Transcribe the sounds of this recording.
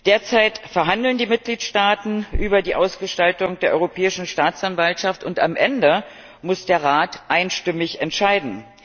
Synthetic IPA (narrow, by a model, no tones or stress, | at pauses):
d̥eːɐt͡saɪtfɛɐɦandl̩ndiːmɪt̚ɡ̥liːtʃtaːtn̩ʔyːbɐdiːʔaʊsɡ̥əʃtaltʊŋd̥eːɐʔɔʏʁopʰɛːɪʃn̩ʃtaːt͡sanvaltʃaftʊntamʔɛndə | mʊsd̥eːɐʁaːtʔaɪnʃtɪmɪçɛntʃaɪdn̩